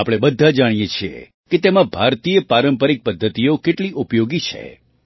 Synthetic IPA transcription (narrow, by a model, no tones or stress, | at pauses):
apɽ̃ebəd̪ʱːad͡ʒaɽ̃ijet͡ʃʰiḛ | ket̪emãbʱaɾt̪ijəpaɾəmpəɾik̚pəd̪ʱːət̪ijokeʈliʔupjoɡit͡ʃʰḛ